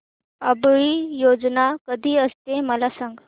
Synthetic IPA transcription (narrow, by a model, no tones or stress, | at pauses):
əbɭiːjod͡znakəd̪ʱiːəst̪eməlasãŋɡ